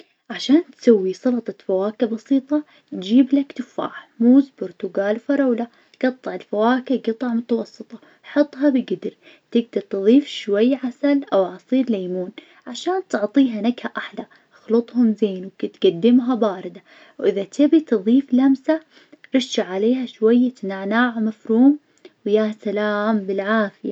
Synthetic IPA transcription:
ʕaʃaːnt̪sawːisˤɑlɑt̪ˤɑfawaːkabɑsiːt̪ˤɑ | t̪d͡ʒiːblakt̪ʊfa̰ːħmuːzbʊɾt̪ʊɡaːlfɑɾˤɑwla | ɡ̥ɑt̪ˤːɨʕɪlfawaːkɪɡɨt̪ˤɑʕmʊt̪awɑsˤːɨt̪ˤɑ̥ | ħʊt̪ˤːɦɑbɪɡɪd̪ɪɾ | t̪ɪɡ̚d̪aɾt̪ɨðˤiːfʃwajːʕasalʔawʕɑsˤiːɾlajmuːn | ʕaʃaːnt̪ʊʕt̪ˤiːɦanaɡhaʔaħla | ʔxlʊt̪ˤhʊmzeːnwkɪt̪ɡad̪ːɪmɦabaːɾɪd̪a | wʔɪðat̪ɪbit̪ɨðˤiːflamsa | ɾˤɪʃːaʕaleːɦaʃwajːt̪naʕnaːʕmafɾuːm | wjasalaːmbɪlʕaːfɪja

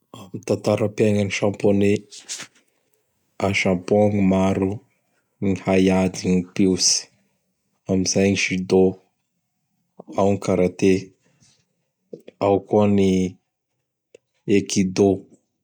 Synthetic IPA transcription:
amit̪ant̪aɾapeŋəniʃãmpone | aʃãmpoaŋimaɾu | nihajad̪iŋipewsi̥ | amizajɲiʃid̪o | awŋikaɾat̪e | awkuəni | ekid̪o

